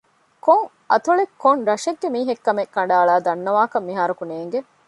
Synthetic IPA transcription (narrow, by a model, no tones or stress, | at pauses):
koŋ | ɐ̰t̪uɭekːoŋɾɐʃeɡːemiːɦekːɐmekːɐɳ̆ɖaːɭaːd̪ɐnːɐʋaːkɐmːiɦaːɾukuneːŋɡe